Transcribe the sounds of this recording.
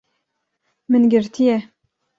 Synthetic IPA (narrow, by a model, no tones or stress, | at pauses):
mɨnɡɪɾt̪ʰijɛ